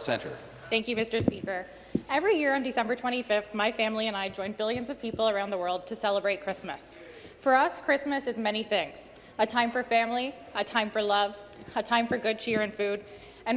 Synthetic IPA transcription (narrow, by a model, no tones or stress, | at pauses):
sɛ̰̃ntə̰˞ | θæ̃ŋkjʉmɪstə˞spikə˞ | ɛvɹijɪɹɨ̃ndɨsɛ̃mbə˞tʰw̥ɛ̃ɾ̃ifɪfθmaɪfæ̃mliɨ̃naɪd͡ʒɔ̃ɪ̃nbɪlˠjɨ̃nzʌv̥pʰipl̩ˠə˞ãʊ̃nðəwɜ˞lˠd̚tʰɨsɛlˠəbɹeɪt̚kʰɹ̥ɪsmɨ̰s | fə˞ʌskʰɹ̥ɪsmɨsɨzmɛñiθɪ̃ŋz̥ | ɨtʰãɪ̃ɱfə˞fæ̃mli | ɨtʰãɪ̃ɱfə˞lʌv | ɨtʰãɪ̃ɱfə˞ɡʊd̚t͡ʃʰɪɹɨ̃nfʉɾ | ɨ̃n